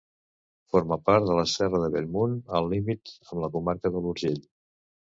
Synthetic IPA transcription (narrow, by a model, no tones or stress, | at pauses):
foɾməpaɾt̪d̪ələsɛrəðəβelmunəlˠːimit̪əmləkumaɾkəðəluɾʒeʎ